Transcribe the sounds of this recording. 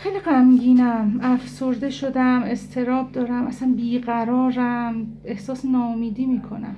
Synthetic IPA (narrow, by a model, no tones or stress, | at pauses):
xejliɢæmɟiːnæmæfso̞ɾd̪e̞ʃo̞d̪æme̞st̪ʰe̞ɾɒːb̚d̪ɒːɾæmʔæsænbiːɢæɾɒːɾæm | e̞hsɒːsenɒːomiːd̪iːmiːkʰo̞̰næ̰m